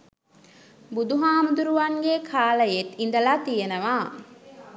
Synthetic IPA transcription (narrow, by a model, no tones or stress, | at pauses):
bud̪uɦaːmud̪uɾuʋaŋɡekʰaːləjet̪ind̪əlaːt̪ijenəʋaː